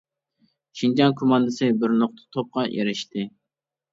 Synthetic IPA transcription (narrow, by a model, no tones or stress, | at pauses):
ʃind͡ʒɑnkʰomɑnd̪ɨsɨbɪɾnoχt̪ʰə̥t̪ʰop̚qɑʔeɾɪʃt̪ɪ